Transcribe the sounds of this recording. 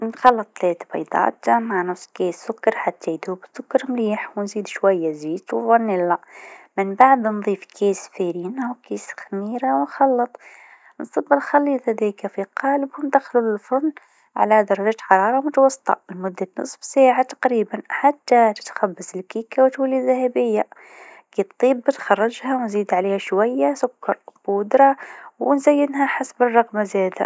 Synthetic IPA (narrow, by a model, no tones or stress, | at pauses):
nxɑlːɑt̪ˤːleːt̪bɑ̰jd̪ˤɑ̰ːt̪maʕnʊsˤːkeːsːʊkːɑɾˤħat̪ʰːajd̪uːbsʊkːɑɾˤmliːħwnziːd̪ʃwajːaziːt̪wfˤɑnːilamɪnbaʕd̪nðˤiːfkʰeːsfeːɾiːnawkeːsxamiːɾawɪnxɑlːɑt̪ˤ | nsˤɨbːɪlxalːiːd̪ˤhad̪iːkafiqɑːlɪbhʊmd̪axlulfʊn | ʕa̰lad̪ɑɾˤɑʒaːt̪ħɑɾˤɑːɾˤɑmʊt̪wɑsˤːt̪ˤɑ̰ɪlmʊd̪ːanɨ̰sˤfsaːʕat̪ɑ̥qɾiːbanħat̪ːat̪ɪ̥t̪xabːasɪlkiːkawt̪walːiðːahabɪjːa | kiːt̪t̪ˤːiːbɪt̪xɑrˤːɑd͡ʒhawnziːd̪ʕaleːhaʃwajːasʊkːɑɾˤbʊd̪ɾˤɑwɪnzajːɪnɦaħasbɪrˤːɑɣmazeːd̪ha̰